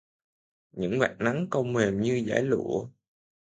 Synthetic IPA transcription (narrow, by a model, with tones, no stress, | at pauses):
ɲɨ̰˧˥ŋva̰ː˨˩t̚na˨˦ŋkə˧wŋ͡mme˨˩mɲɨ˧za̰ː˧˩jlṵ˧˩ə